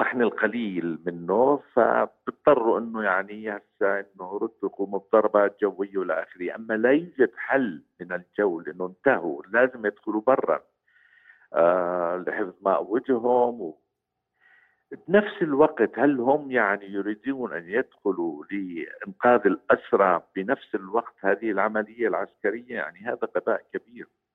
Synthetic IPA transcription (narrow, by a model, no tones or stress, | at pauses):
ɾˤɑħnalqaliːlmɪnːʊfa̰b̥ɨt̪̚ˤːɑrˤːuʔɪnːʊjaʕnihasːaʔɪnːʊɾˤʊd̪ːqumʊb̚d̪ˤɑɾˤɑbɑːt̪̚d͡ʒawːɪjːawɪlːaʔaːxɪɾɪjːaʔamːalajuːd͡ʒad̪ħalːmɪnɪld͡ʒawːlɪʔɪnːʊnt̪ahṵlaːzɪmjɪd̪xʊlubɑrˤːɑ̰n | lħɪfðˤmaʔawːɪd̪ɦʊmw | bnafsɪlwaɡt̪halːhʊmːjaʕnijʊɾiːd̪uːnʔa̰njad̪xʊlulɪʔɪnqɑːðɪlʔasɾˤɑbɪnafsɪlwɑqt̪haːðɪhɪlʕamalɪjːalʕaskaɾɪjːaja̰ʕniɦaːðaqɑd̪aːʔkabiːɾ